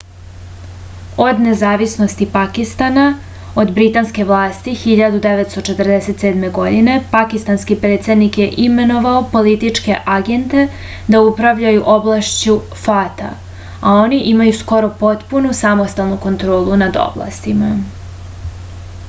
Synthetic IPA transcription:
o̞d̪ne̞zaːʋisno̞st̪ipakist̪ana | o̞d̪bɾit̪anske̞ʋlˠaːst̪ixiʎad̪ud̪eʋet̪st̪o̞t͡ʃet̪ərd̪ese̞t̪se̞ːd̪me̞ɡo̞d̪ine̞pakist̪anskipɾeːt̪se̞d̪nikje̞ʔime̞no̞ʋaopo̞lit̪it͡ʃke̞ʔaɡe̞nt̪e̞ | d̪aupɾaʋʎajuʔo̞blˠaʃt͡ɕu | fat̪a̰ | ao̞niʔimajusko̞ɾo̞po̞t̪punusamost̪alˠnuko̞nt̪ɾo̞ːlˠunad̪o̞̰blˠa̰st̪ima

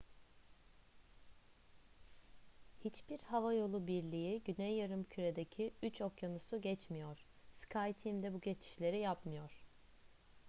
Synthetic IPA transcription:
hit͡ʃbiɾhavajo̞lˠubiɾlʲijiɟynɛjːaɾɯmcʰyɾe̞d̪ecʰiyt͡ʃʰo̞kjanusuɟɛt͡ʃmijo̞ɾ̥ | skʰajt̪ʰimd̪ɛbuɟe̞t͡ʃʰi̥ʃlʲe̞ɾijapmɯjo̞ɾ̥

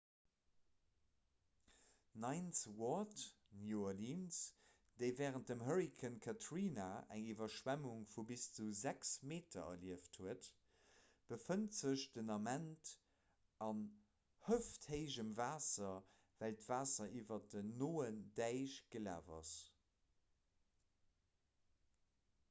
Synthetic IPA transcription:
nɑɪnswɔt | njualiːns | d̥əɪvɛːʁənt̚dəmɦəɹikʰənkʰatʰɹiːnaæ̰ŋivɐʃwæmuŋfubist͡suzæksmeːtʰɐ̰ɐ̰liəftʰhuət | b̥əfəntz̥əɕd̥ənɑmænt | ɑn | həftheɪʑəmvaːsɐ | væltv̥aːsɐʔiːvɐdənoːəndæɪɕɡ̥əla̰ːvɑ̰s

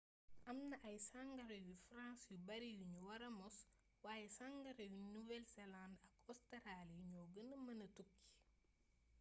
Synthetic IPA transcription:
ʔɐmnɐʔɐjsaŋɡɐɾɛwifɾãnsjubɐɾijuɲuwɐɾɐmɔs | waːjɛsaŋɡɐɾɛwinuvɛlsɛlãndɐkɔsteɾaljuɲɔːɡənɐmɐnɐtukːi̥

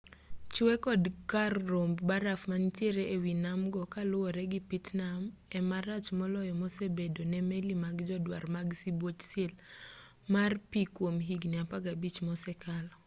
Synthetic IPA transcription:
t͡ʃwɛkɔdkarːombbaɾafmantjeɾeewinamɡɔkalʊwɔɾɛɡɪpitnamɛmaɾat͡ʃmɔlɔjɔmɔsebedonɛmelimaɡd͡ʒɔdwa̰rmaɡsibwot͡ʃsel | marpikwomɦiɡnɪapaɡabit͡ʃmɔsɛkalɔ

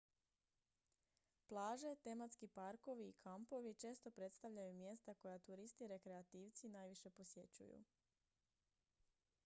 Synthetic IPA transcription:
plˠaːʒe̞t̪e̞mat̪skipaɾko̞ʋiːkʰampo̞ʋit͡ʃe̞ːst̪o̞pɾe̞t̪st̪aʋʎajumje̞st̪ako̞jat̪uɾist̪iɾe̞kɾeat̪iːʋt̪sinajʋiʃe̞po̞sje̞t͡ɕṵjṵ

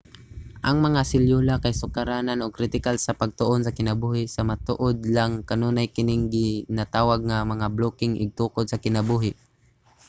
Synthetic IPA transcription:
ʔɐŋmɐŋasɪljuːlakajsʊkaɾaːnanoɡ̚kɾɪt̪ɪkalsɐpɐɡ̚t̪ʊʔonsɐkɪnɐbuːhɪsɐmat̪ṵːʔod̪laŋkɐnuːnajkɪnɪŋɡɪnat̪aːwaɡ̚ŋamɐŋabloːkɪŋʔɪ̰ɡ̚t̪uːkod̪sɐkɪnɐbuːɦɪ

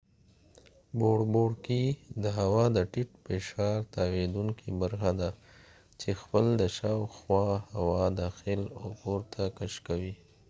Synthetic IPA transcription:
boɽboɖkid̪əɦawɑd̪əʈiʈpeʃɑɾt̪awed̪uŋkʰibaɾxad̪a | t͡ʃexpəld̪əʃɑwxwɑhawɑd̪ɑxɪlokoɾt̪ʰakaʃkawi

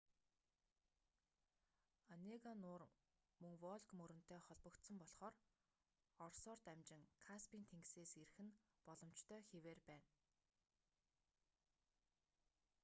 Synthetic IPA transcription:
aneɣanʊːr | mɵŋwɔɮkmɵɾɵ̆n̥t̪ʰeːχɔɮpɞ̆kt̪sə̆mpɔɮχɔːr | ɔrsɔːrt̪æmt͡ɕɪ̆ŋkʰaspiːnt̪ʰeŋɡseːserxɘ̆n | pɔɮɞ̆m̥t͡ɕt̪ʰœːxeweːrpæːn

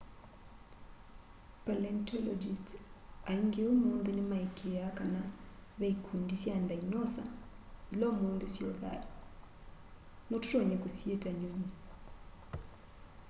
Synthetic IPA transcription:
palɛntʰɔlɔd͡ʒistaiŋɡeomoːnðenemaekʰeakanaβɛikʰundisjandainɔsa̰ | ilɔmonðesjɔða̰ | notutɔɲɛkosietaɲoɲi

